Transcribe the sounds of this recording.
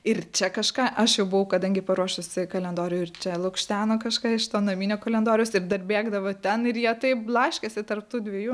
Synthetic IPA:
ɪrt͡ʃʲɛkɐʃkɑːʔɐʃjɛʊbʊʋɐʊkɐd̪ɐŋʲɡʲɪpɐɾuɔʃʲʊsʲɪkɐlʲɛnd̪oːɾʲɪjʊɪrt͡ʃʲɛlˠʊkʃʲt̪ʲæːnoːkɐʃkɑːɪʃt̪oːnɐmʲiːnʲoːkɐlʲɛnd̪oːɾʲjoːsɪrd̪ɐrbʲeːɡd̪ɐʋoːt̪ʲɛnɪrjiɛt̪ɐɪplˠɐʃʲkʲesʲɪt̪ɐrp̚t̪uːd̪ʲʋʲiɛjuː

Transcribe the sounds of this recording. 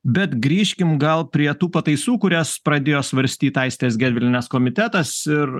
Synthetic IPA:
bʲɛt̪ɡɾʲiːʃʲkʲɪmɡɐlˠpʲɾʲiɛt̪uːpɐt̪ɐɪsuːkʊɾʲæspɾɐd̪ʲeːjoːsʋɐɾʲsʲt̪ʲiːt̪ɐɪsʲt̪ʲeːsɡʲæːd̪ʲʋʲɪlʲɪnʲɛskoːmʲɪt̪ʲæt̪ɐsɪɾ

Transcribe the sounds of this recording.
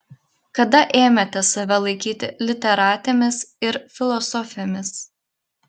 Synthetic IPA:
kɐd̪ɐʔeːmʲɛt̪ʲɛsɐʋʲɛlˠɐɪkʲiːt̪ʲɪlʲɪt̪ʲɛɾɑːt̪ʲemʲɪsɪɾfʲɪlˠɔsɔːfʲɪomʲɪs

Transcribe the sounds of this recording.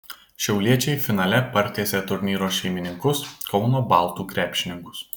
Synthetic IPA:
ʃʲɛʊlʲiɛt͡ʃʲɛɪfʲɪnɐlʲɛpɐɾʲt̪ʲeːsʲeːt̪ʊɾʲnʲiːɾoːʃʲɛɪmʲɪnʲɪŋkʊskɒʊnoːbɑːˑlˠt̪uːkɾʲæːpʲʃʲɪnʲɪŋkʊs

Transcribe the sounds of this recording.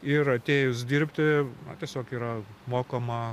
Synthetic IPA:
ɪrɐt̪ʲeːjʊsd̪ʲiːɾʲpʲt̪ʲɪnɐ̰t̪ʲiɛsʲoːkiːɾɐmoːkomɐ

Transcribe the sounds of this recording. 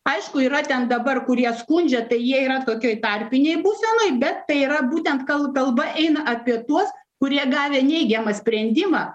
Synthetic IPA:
ɐɪʃkʊiːɾɐt̪ʲɛnd̪ɐbɐrkʊɾʲiɛskʊnʲd͡ʒʲɛt̪ɐɪjiɛiːɾɐt̪oːkʲoɔɪt̪ɑrʲpʲɪnʲɛɪbuːsʲɛnoːɪbʲɛt̪ːɐɪiːɾɐbuːt̪ʲɛnt̪kɐlˠkɐlˠbɐʔɛɪnɐʔɐpʲiɛt̪uɔs | kʊɾʲiɛɡɑːʋʲeːnʲɛɪɡʲɛmɐsʲpʲɾʲɛnʲd̪ʲɪmɑː

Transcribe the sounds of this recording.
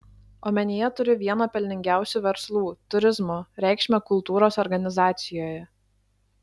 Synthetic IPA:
oːmʲɛnʲijɛt̪ʊɾʲɪʋʲiɛnoːpʲɛlʲnʲɪŋʲɡʲæˑʊsʲuːʋʲɛɾslˠuːt̪ʊɾʲɪzmoːɾʲɛˑɪkʃʲmʲɛkʊlˠt̪uːɾoːsɔɾɡɐnʲɪzɑːt̪sʲɪjoːjɛ

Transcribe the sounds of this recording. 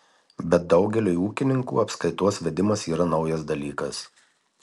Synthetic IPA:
bʲɛt̪̚d̪ɒʊɡʲɛlʲuuːkʲɪnʲɪŋkṵːɐpskɐɪt̪uɔsʋʲɛd̪ʲɪmɐsiːɾɐnɒʊjɛs̬d̪ɐlʲiːkɐs

